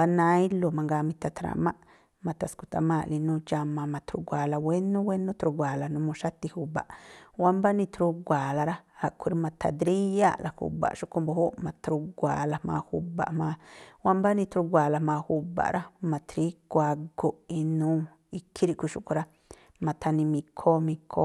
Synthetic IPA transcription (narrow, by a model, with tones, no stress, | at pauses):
ba˧nã˧i˦lo˧mã˧ŋɡa˧mĩ˧t̪a˧t̪ɾa̰˨mã˦ʔ | mã˧t̪a˧sku˧t̪a˧mã˦˧ʔli˧nũ˧t͡ʃa˧mã˧mã˧t̪ɾu˧ɡʷa˨la˧we˦nũ˦we˦nũ˦t̪ɾu˧ɡʷa˨la˨nũ˧mõ˧ʃa˦t̪i˧hu˨ba̰˨ʔwa˦mba˦nĩ˧t̪ɾu˧ɡʷa˨la˧ɾa˦a˧kʰʷu˧ɾi˧mã˧t̪ʰa̰˧d̪ɾi˦ja˦la˨hṵ˧ba̰˨ʃu˦ko˧mbo˧ho˦mã˧t̪ɾu˧ɡʷa̰˨la˧hmã̰ː˧hṵ˧ba̰˨ʔmãː˧wa˦mba˦nĩ˧t̪ɾu˧ɡʷa˨la˧mãː˧hu˧ba̰˨ʔɾʔa˦mã˧t̪ɾi˦kʷa˧ɡo˧i˧nũː˦ | i˧kʰːi˦ɾi˧ʔkʷi˧ʃu˦ku˧ɾa˧˦ | mã˧t̪ʰa˧nĩ˧mĩ˧kʰo˦mĩ˧kʰo˦